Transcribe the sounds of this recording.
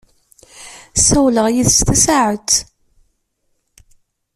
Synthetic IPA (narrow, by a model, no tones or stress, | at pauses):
sæwləʁjiθst̪æsaʕət̪